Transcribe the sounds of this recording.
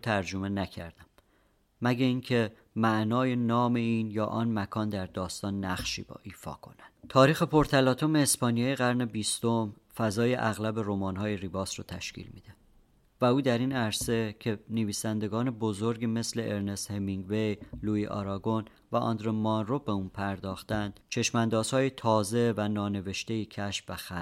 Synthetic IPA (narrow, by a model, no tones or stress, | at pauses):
t̪ʰæɾd͡ʒome̞næcʰæɾd̪æmː | æɟeiːncʰe̞ | mæʔnɒːje̞nɒːme̞iːnjɒːʔɒːnmækʰɒːnd̪æɾd̪ɒːst̪ɒːnːæχʃḭːbɒ̰ːʔiːfɒ̰ːkʰo̞̰nænd̪̥t̪ʰɒːɾiːxe̞pʰo̞ɾt̪ʰælɒːt̪ʰo̞meːspɒːniɒːjeɣæɾne̞biːst̪o̞m | fæzɒːjeʔæɣlæbe̞ɾomɒːnɦɒːjeribɒːsɾɔ̰ːt̪ʰæ̰ʃcḭːlmḭd̪̥e | væuːd̪æɾiːnæɾse̞cʰe̞neviːsænd̪e̞ɡɒːne̞bozo̞ɾɡiːme̞sle̞ʔeɾne̞shemiŋɡve̞jluːiʔɒ̰ɾɒɡon | væʔɒ̰nd̪ɾemɒnro̞beuːnpʰæɾd̪ɒːxt̪ænd̪̥t͡ʃʰe̞ʃmænd̪ɒːz̥hɒːjet̪ʰɒːze̞vænɒːne̞ve̞ʃt̪e̞iːcʰæʃfvæxæ